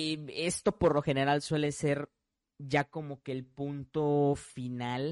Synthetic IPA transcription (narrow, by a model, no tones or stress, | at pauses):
e̞st̪o̞po̞ɾlo̞xe̞ne̞ɾalswe̞le̞se̞ɾ | ɟ͡ʝako̞mo̞ke̞ːlpunt̪o̞final